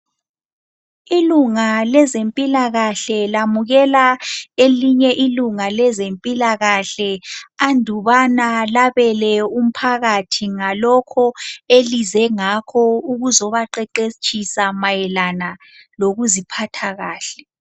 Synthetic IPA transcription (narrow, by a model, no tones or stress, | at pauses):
iluŋalɛzempʼilaɣaɬɛlamuɣɛlaeliɲɛʔiluŋalɛzempʼilaɣaɬɛandʱuβanalaβɛlɛum̩pʰaɣatʰiŋalɔkʰɔelizɛŋakʰɔuɣuzɔβaǃɛǃet͡ʃʼʰisamajɛlana | loɣuzipʰatʰaɣaːɬɛ